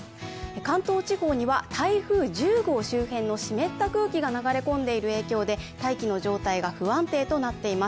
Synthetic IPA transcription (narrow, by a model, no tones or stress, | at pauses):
ekãnt̪o̞ːt͡ɕiho̞ːɲ̟iβat̪ʰaiɸɯ̟ːʑɨːɡo̞ːɕɨːhẽ̞nːo̞ɕime̞t̪ːakɯ̟ːkʲiɡanaɡaɾe̞kõ̞nd̪e̞iɾɯ̟e̞ːkʲo̞ːd̪e̞t̪aikʲino̞ʑo̞ːt̪aiɡaɸɯ̟βãnt̪e̞ːt̪o̞nat̪ːe̞imas